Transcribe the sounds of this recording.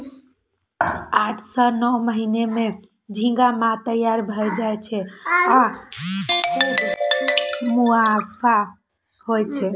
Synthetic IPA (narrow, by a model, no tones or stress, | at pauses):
aʈʰsənɔməɦineme | d͡ʒʱĩŋɡamat̪əjaɾbʱəjd͡ʒajt͡ʃʰɛa | muafʰa | hojt͡ʃʰɛ